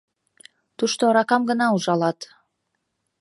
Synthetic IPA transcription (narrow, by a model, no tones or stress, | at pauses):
t̪uʃt̪oɾɑkɑmɡənɑuʒɑlɑt̪